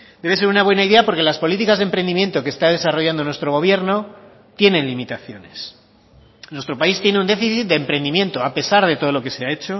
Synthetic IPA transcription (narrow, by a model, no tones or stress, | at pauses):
d̪eβ̞e̞se̞ɾunaβwe̞naiðe̞apo̞ɾke̞laspo̞lit̪ikazðempɾe̞nd̪imje̞nt̪o̞keːst̪að̞e̞saro̞ʝand̪o̞nwest̪ɾo̞ɣ̞o̞β̞je̞ɾno̞ | t̪je̞nẽ̞nlimit̪aθjo̞ne̞s | nwe̞st̪ɾo̞paist̪je̞neund̪e̞fiθit̪̚d̪empɾe̞nd̪imjẽ̞nt̪oape̞saɾð̞e̞t̪o̞ð̞olo̞ke̞se̞ae̞t͡ʃo̞